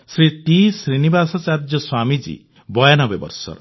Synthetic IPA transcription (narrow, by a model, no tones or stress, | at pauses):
sɾit̪isɾinibasɔt͡ʃaɾd͡ʒɔswamid͡ʒḭ | bɔjanɔbebɔ̰ɾsɔ̰ɾ